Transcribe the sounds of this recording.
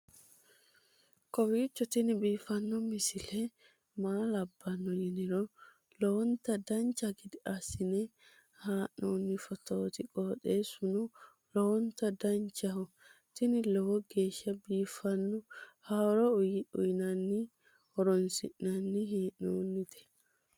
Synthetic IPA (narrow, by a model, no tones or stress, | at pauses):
kɔwiːt͡ʃːɔt̪ɪnɪbiːfɐnːɔmɪsɪlɛ | maːlɐbːɐnːɔjɪnɪɾɔ | lɔwɔnt̪ːɐd̪ɐnt͡ʃːɐɡɪd̪ɪʔɐsɪnɛ | haːʔoːnːɪfɔt̪oːt̪ɪkʼoːteːsʊnʊ | lɔwɔnt̪ɐd̪ɐnt͡ʃːɐhɔ | t̪ɪnɪlɔwɔɡeːʃːɐbiːfɐnːɔhaɾɔʊjɪʊ̰jɪnɐnːɪ | hɔɾɔnsɪ̰ʔnɐnːɪɦiːʔno̰ːnːɪt̪ɛ̥